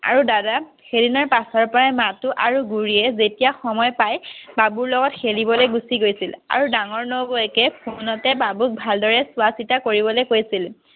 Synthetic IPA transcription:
a̰ɹudada | xedinɔɹpasɔɹpɔɹajmatuʔaɹuɡuɹiɛzetijaxɔmɔjpajbabuɹlɔɡɔtxelibɔlojɡusiɡojsila̰ɹudaŋɔɹnobɔɛkɛpʰunɔtɛbabuk̚bʱaldɔɹɛsʊwasitakoɹibɔlojkojsil

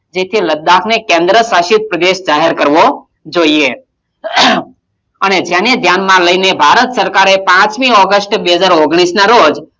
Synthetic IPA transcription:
d͡ʒet̪ʰiləd̪ːakʰnekẽnd̪ɾəsaʃit̪̚pɾəd̪eʃd͡ʒaɦeɾkəɾʋo | d͡ʒoie | əned͡ʒjaned̪ʱjanmãləinebʱaɾət̪səɾkaɾepãt͡ʃmiɔɡəsʈbeɦəd͡ʒaɾoɡɽ̃isnaɾod͡ʒ

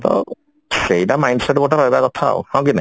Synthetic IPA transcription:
t̪ɔ̰ | sejʈamajɳɖseʈboʈaɾɦɔjbakɔt̪ʰa̰hɛw̃kina

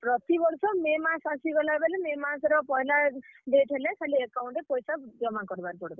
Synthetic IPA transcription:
pɾɔt̪ibɔɾsɔmemasasiɡɔlaebelememasɾɔpɔɦilaɖeʈɦelekʰaliekawɳʈepɔjsad͡ʒɔmakɔɾbaɾpɔɽeb̪ɔ

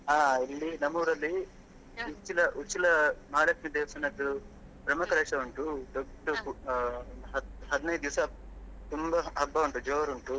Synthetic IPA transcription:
aːilːinɐmɐɾɐlːi | ut͡ʃilɐʔut͡ʃilɐmaːlɐkmid̪eːʋsɐnɐd̪ːu | pɾɐmɐkɐɾeːʂɐuɳʈud̪ɔbʈuu | ɐɦɐd̪inɐj̪d̪iʋɐsɐt̪umbɐɦɐbːɐuɳʈud͡ʒoːʋɐɾuɳʈu

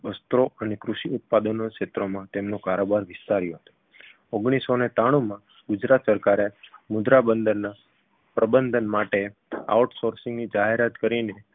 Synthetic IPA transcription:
əst̪ɾoənekɾuʃiʊt̪̚pad̪ənokʃet̪ɾomãt̪emnokaɾobaɾʋɪst̪aɾijoɦət̪o̥ | oɡɽ̃isonet̪aɽ̃ũmã | ɡʊd͡ʒɾat̪səɾkaɾemʊd̪ɾabənd̪əɾna | pɾəbənd̪ʱənmaʈea̰uʈsoɾsɪŋɡnid͡ʒaɦeɾat̪kəɾine

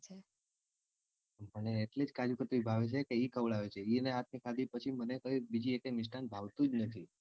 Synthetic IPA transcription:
t͡ʃʰe | məneːʈled͡ʒkad͡ʒukət̪ʋibʱaʋet͡ʃʰekeikʰəʋɭaʋet͡ʃʰeiəneɦat̪̚ʰnikʰad̪ipət͡ʃʰimənekəibid͡ʒiekemɪʃʈanbʱaʋt̪ũd͡ʒnət̪ʰi

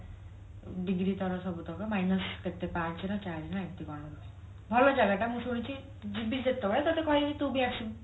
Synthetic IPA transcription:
ɖiɡɾit̪ɔɾɔsɔbut̪ɔkɔmajnəsket̪ːepat͡ʃinɔt͡ʃaɾinãekt̪ikɔɾnɔb̪ɔe | bʱɔlɔd͡ʒaɡaʈamũsuɽ̃it͡ʃi | d͡ʒibid̪et̪ːɔbaɭet̪ɔt̪ekɔɦikit̪ubʱiaksi

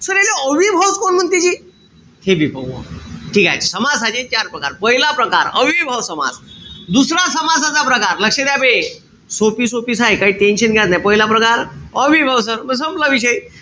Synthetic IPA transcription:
səɾekaəʋibʱawt͡skonm̤ənt̪it͡ɕiː | hebʱibʱəo̰ʈʰiːka̰jsəmad͡zsad͡ʑet͡ɕaɾpɾəkaɾpəɦilapɾəkaɾə̰ʋibʱawsəma̰d͡zd̪usɾasəmad͡zat͡sapɾəkaɾləkʂed̪jabe | sopiːsopiːsajkaiːʈenɕənɡʱjat̪najpəɦilapɾəkaɾəʋibʱaws̬əɾməɡs̬əmplaʋiɕ̬əj

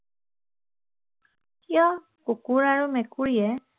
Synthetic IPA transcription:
kijɔ | kukuɹaɹumekuɹiɛ

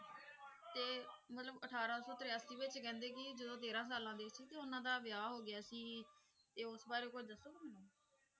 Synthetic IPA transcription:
t̪eːmət̪ləbəʈʰaːɾãːsɔːt̪ɾeaːsiːʋɪt͡ʃkɛ̃ːnd̪eːkɪd͡ʒəd̪õːt̪eːɾãːsaːlãːd̪eːɪt͡ʃsiːt̪eːʊnãːd̪aːʋɪjaːɦoːɡɪjaːsiː | t̪eːʊsbaːɾeːkot͡ʃd̪əsoːmənõː

